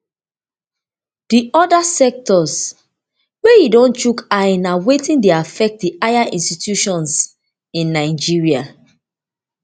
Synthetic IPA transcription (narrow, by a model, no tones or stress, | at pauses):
d̥iʔɔdasɛk̚tɔs | wejidɔ̃nt͡ʃukaĩnawetĩndeafɛk̚t̚diʔajãʔĩnstitʰjuʃɔ̃ns | ĩnːaɪd͡ʒiɹia